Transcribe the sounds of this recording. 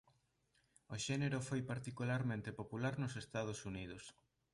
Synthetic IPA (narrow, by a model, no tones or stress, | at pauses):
oʃɛneɾʊfojpaɾt̪ikulaɾmẽnt̪epopulaɾnʊsest̪að̞ʊsuniðʊs